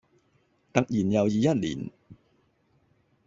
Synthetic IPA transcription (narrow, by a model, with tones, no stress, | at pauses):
t̪ɐ˨k̚jiː˨˩njɐ˨wjiː˨˧jɐ˥t̚lḭː˨˩n